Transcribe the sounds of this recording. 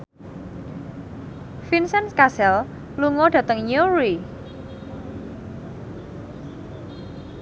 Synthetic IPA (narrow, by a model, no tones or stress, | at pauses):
finsɛnskasɛl | luŋɔɖ̥ä̤t̪əŋɲuɾi